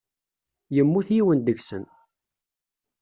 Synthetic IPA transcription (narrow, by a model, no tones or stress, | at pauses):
jəmːuθjiwənd̪əɡsə̰n